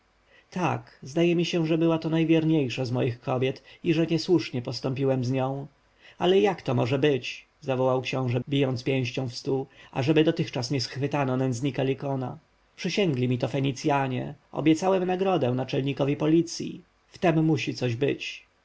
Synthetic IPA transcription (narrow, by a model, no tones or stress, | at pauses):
t̪ʰa̰kzd̪ajɛmʲiɕɛ̃ʐɛbɘwat̪ɔnajvʲjɛɾɲejʂazmɔjixkɔbʲjɛt̪iʐɛɲɛswuʂɲɛpɔst̪ɔmpʲiwɛmzɲɔ̃w̃ | alɛjakt̪ɔmɔʐɛbɘt͡ɕ | zavɔwawkɕɔ̃w̃ʐɛbʲijɔnt̪spʲjɛ̃w̃ɕt͡ɕɔ̃w̃fst̪ua̰ʐɛbɘd̪ɔt̪ɘxt͡ʂasɲɛsxfɘt̪anɔnɛnzɲikalʲikɔna̰ | pʂɘɕɛŋɡlʲimʲit̪ɔfɛɲit̪sʲjaɲɛ̰ɔ̰bʲjɛt̪sawɛmnaɡɾɔd̪ɛ̃nat͡ʂɛlɲikɔvʲipɔlʲit̪sʲjḭ | ft̪ɛmːuɕit̪sɔʑbɘ̰t͡ɕ